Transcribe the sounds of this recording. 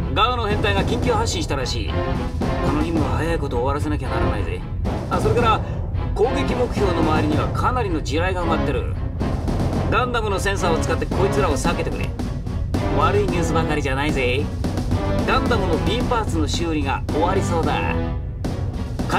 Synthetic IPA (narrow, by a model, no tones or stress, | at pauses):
ɡaːno̞hẽ̞nt̪aiɡakʲĩŋkʲoːhaɕːĩɕit̪aɾaɕḭː | kano̞çĩmːɯβahajaiko̞t̪o̞ːβaɾas̬eakʲanaɾanaḭzḛ | aso̞ɾe̞kaɾa | kõ̞ːŋɡe̞kʲimo̞kɯ̟̥ço̞ːno̞maβaɾʲiɲ̟iβakʰanaɾʲino̞d͡ʑiɾaiɡaɯmat̪ːe̞ɾɯ̟̰ | ɡãnd̪amɯno̞sẽ̞ɰ̃s̬aːo̞t͡sɨ̥kat̪ːe̞kʰo̞it͡sɨɾao̞sake̞t̪e̞kɯ̟ɾḛ | βaɾɯ̟iɲ̟ɨːsɨbãŋɡaɾʲiʑanaize̞ | ɡãnd̪amɯno̞bʲĩːmpaːt͡sɨno̞ɕɨːɾʲiɡao̞βaɾʲiso̞ːd̪a̰ | k